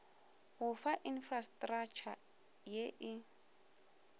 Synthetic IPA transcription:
ɣʊfaʔinfrastʼrakt͡ʃʰa | jeʔɪ

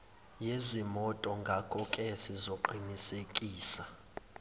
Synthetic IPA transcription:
jezimɔtʼɔŋɡʱakʰʼɔkʼɛsizoǃinisekʼiːsa

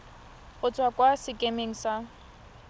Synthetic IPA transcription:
ʊt͡sʼwakʼwasɪkʼemeŋ̩sa

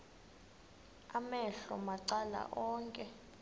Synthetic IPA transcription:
amɛɬɔmaǀala̰ʔɔːŋkʼɛ

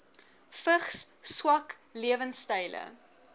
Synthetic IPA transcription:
fəχsswɐk | liəvənstɐjlə̰

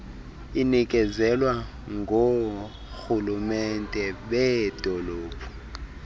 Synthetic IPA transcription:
inikʼɛzɛlwa | ŋɡʱo | xulumɛntʼɛɓɛdʱʼɔloːpʰʼu̥

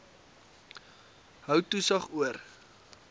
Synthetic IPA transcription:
ɦœwtusɐχuər

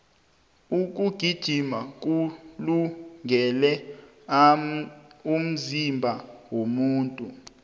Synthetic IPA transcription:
uk̬ʼuɡ̥ʱid̥ʒ̥ʱimak̬ʼuluŋɡʱɛlɛ | um̩zimbʱawomuːntʼu

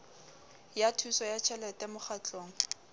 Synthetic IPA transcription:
jatʰusɔjat͡ʃʰɛlɛtɛmʊχat͡ɬʼoːŋ̩

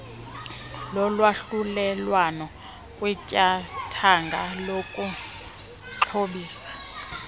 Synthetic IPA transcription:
lɔlwaɬulɛlwanɔ | kʼwɛcʼatʰaŋɡʱalokʼu | ǃʰoɓiːsḁ

